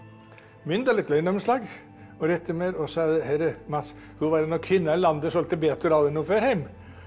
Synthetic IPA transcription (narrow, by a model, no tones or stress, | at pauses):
mʏnd̪ɑɾɭɪt̪ːlœnɔmslɑːɡ | ɔɾɛt̪ːəmeɾɔsɔɑd̪əhɛɾəmɑt̪s | h̪uʋɑːɾɛnɔkʰʋɪnːɑɪlɑnd̪əsɔlt̪əbeːt̪ʰɔɾɑlənuːføɾhɛɪm